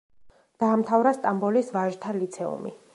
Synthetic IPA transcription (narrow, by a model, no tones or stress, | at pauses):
d̪̥aːmt̪ʰavɾast̪ʼambɔlisvaʒt̪ʰalit̪sʰɛṵmḭ